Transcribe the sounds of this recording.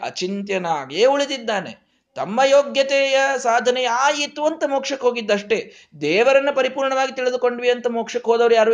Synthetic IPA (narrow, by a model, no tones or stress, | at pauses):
ɐ̰t͡ʃint̪jɐnaːɡeːuɭid̪id̪ːaːnḛ | t̪ɐmːɐjoːɡjɐt̪ɛːjɐsaːd̪ʱɐnɛjɐaːjit̪ːuɐnt̪ɐmoːkʂɐkːɦoːɡid̪ːɐʂʈe̞ | d̪ɛːʋɐɾɐnːupɐɾipuːɾɳɐʋaːɡit̪iɭid̪uko̞ɳɖʋiɐnt̪ɐmoːkʂɐkːɦoːd̪ɐʋɐɾjaːɾu